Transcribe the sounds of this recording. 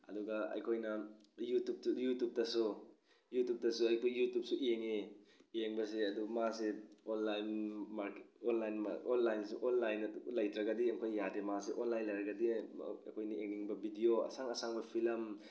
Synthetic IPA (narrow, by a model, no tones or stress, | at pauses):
ɐ̰duɡɐɐ̰jkʰojnɐ | jutup̚sujutup̚tɐsu | jutup̚tɐsuɐjkʰojːutup̚suʔeŋeeŋbɐs̬eɐdumaseonlajnmaɾkonlajnma̰onlajnsuʔonlajnɐlɐjtɾɐɡɐdiɐŋkʰojːademas̬eʔonlajnlɐjɾɐɡɐdḭkʰojnɐeŋniŋbɐbidioɐ̰saŋɐsaŋbɐpʰilɐm